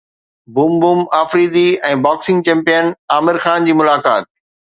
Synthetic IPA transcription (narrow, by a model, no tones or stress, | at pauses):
buːmbuːmaːfɾiːd̪iɛ̃ːbaːksɪ̃ŋɡ̚t͡ɕɛ̃ːmpijənaːmɪɾxaːnd͡ʑiːmʊlaːka̰ːt̪̚